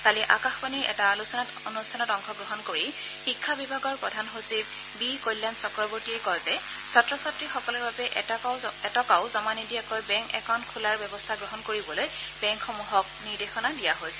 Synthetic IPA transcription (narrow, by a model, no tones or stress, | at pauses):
taliʔakaxbaniɹɛ̰talusɔnatonustʰanɔtɔŋkʰɔɡɹɔɦɔnkoɹi | xikʰːabibʱaɡɔɹpɹɔdʱanɦosib̚ | bikojlːandsɔkɹɔboɹtiɛkɔjzɛ | satɹɔsatɹixɔkɔlɔɹbabɛʔɛtɔkaʊzɔmanidijakojbɛŋkɛ̰kʰɔntkʰulaɹbɛbɔstʰaɡɹɔɦɔnkoɹibɔloj | bɛŋkxomuɦɔk̚niɹdexɔnadijaɦojsɛ̥